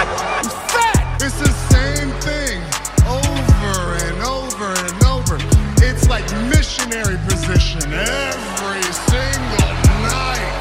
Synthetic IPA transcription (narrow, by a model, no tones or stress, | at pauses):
fæɾɨtsðɨsẽɪ̃mθɪ̃ŋ | oʊvə˞ɨ̃noʊvə˞ɨ̃noʊvə˞ɪtslaɪk̚mɪʃɨnɛɹipʰɨzɪʃɨ̃nɛ | vɹisɪ̃ŋɡl̩ˠnaɪt̚